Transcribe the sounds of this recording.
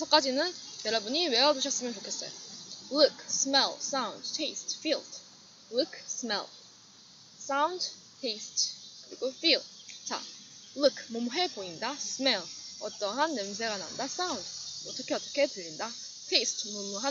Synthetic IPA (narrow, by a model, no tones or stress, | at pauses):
sʰʌk͈ad͡ʑinɯnjʌɾʌbuɲiwe̞ʌd͡ʑuɕʰʌs͈ɯmjʌnt͡ɕokʰes͈ʌ̰jo̰lukʰsmels͈awndtʰeistʰfildː | ukʰsɯmḛl | s͈and | tʰeistʰkɯɾḭɡofilt͡ɕa̰ | lukʰmomuɦe̞boindasʰɯmelʌt͈ʌɦanːems̬ʰeɡanaṵndas͈aundʌt͈ʌkʰe̞ʌt͈ʌkʰe̞tɯʎːinda | tʰeistʰmomuɦa